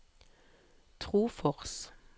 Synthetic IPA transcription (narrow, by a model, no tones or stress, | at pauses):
t̪ʰʁuːfɔʁs